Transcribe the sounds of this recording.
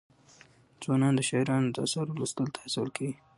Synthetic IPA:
zwɑnɑnd̪əʃɑjɾɑnod̪əsɑɾlust̪əlt̪ʰḁhasɪwəlkʰeɡi

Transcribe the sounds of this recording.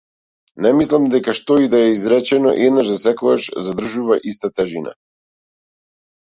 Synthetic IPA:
nɛmislˠamd̪ɛkaʃt̪ɔid̪aɛizɾɛt͡ʃɛnɔ̰ʔɛd̪naʒd̪asɛkɔɡaʃzad̪r̩ʒuvaʔist̪at̪ɛʒina̰

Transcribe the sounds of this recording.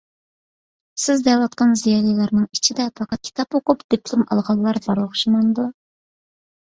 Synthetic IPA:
sɪzd̪ɛwɑt̪̚qɑnzijɑːlˠijlˠɑɾnɨŋit͡ʃʰid̪ɛpʰɑqɑt̪̚kʲʰi̥t̪ʰɑpwopʊpd̪̥epʰlˠumɑ̰lˠʁɑlˠːɑɾbɑɾlˠəχʃimɑnɨd̪u

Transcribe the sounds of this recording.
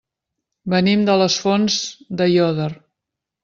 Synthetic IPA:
bənimd̪ələsfonzd̪əjɔðər

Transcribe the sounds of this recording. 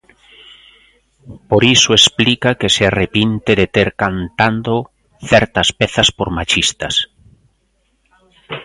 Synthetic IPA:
poɾisoesplikakesearepint̪eðet̪eɾkant̪and̪o | θɛɾt̪aspeθaspoɾmat͡ʃist̪as

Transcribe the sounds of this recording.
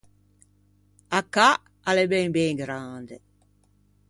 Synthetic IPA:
akːa | alebɛŋbɛŋɡɾand̪e

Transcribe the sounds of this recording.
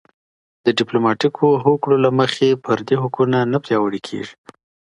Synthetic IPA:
d̪̥əɖɪplomɑʈikʰoɦoklolaməxepʰəɾd̪eɦʊkunanapɾjɑwəɽekʰḛʐi̥

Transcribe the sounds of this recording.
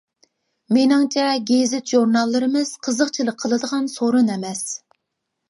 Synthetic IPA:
menɪŋt͡ʃʰɛɡʲezɪt̪ʒuɾnɑlˠːɨɾɨmɨz̥qʰəzəqt͡ʃʰilˠəqʰːəlˠɨd̪əʁɑnsoɾunɛmɛs

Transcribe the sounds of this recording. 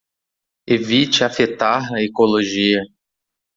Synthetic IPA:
evit͡ʃɪafet̪aɦɐekoloʒiɐ

